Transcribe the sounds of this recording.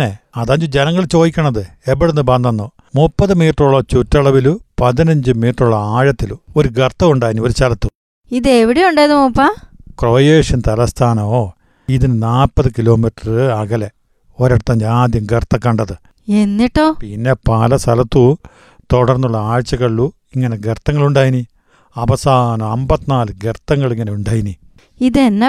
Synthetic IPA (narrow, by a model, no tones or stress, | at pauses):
neɐðaːɲd͡ʑud͡ʑenɐŋːɐɭt͡ɕo̞ːðikʲːɐɳɐðɨepːɐɽenːɨbɐnd̪ʱɐnːo | mupːɐðɨmiːʈruɭːɐt͡ɕutːɐɭɐʋilupɐðinɐɲd͡ʑɨmiːʈruɭːɐaːɻɐt̪ːiluo̞ɾuɡɐrt̪ːɐʋuɳɖaːjinio̞ɾusɐlɐt̪ːu | iðeʋiɽejuɳɖaːjɐðumupːakroːjeːʂɐnt̪ɐlɐst̪ʰaːnɐmoː | iðinɨnaːlpːɐðɨkilo̞ːmiʈːɐrɨɐɡɐle | oɾɐɽɐt̪ːɐːɲd͡ʑaːd̪jɐmɡert̪ːɐkːɐɳɖɐðɨ | e̞nːiʈːoːpinːe̞paːlɐsɐlɐt̪ːu | t̪oɽɐrnːuɭːɐaːɻt͡ɕːɐkɐɭːu | iŋːɐne̞ɡert̪ːɐŋːɐɭuɳɖaːjini | ɐʋɐsaːnɐmɐmbɐt̪ːinaːlɨɡert̪ːɐŋːɐɭiŋːɐneuɳɖaːjini | iðenːe